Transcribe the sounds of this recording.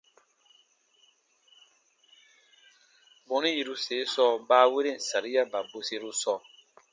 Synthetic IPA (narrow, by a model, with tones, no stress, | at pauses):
bɔ˨˦nĩ˦ji˦ɾu˦seː˨˦sɔ˦baː˦we˦ɾe˦˨sa˨ɾi˦a˦ba˨bo˨se˦ɾu˦sɔ˨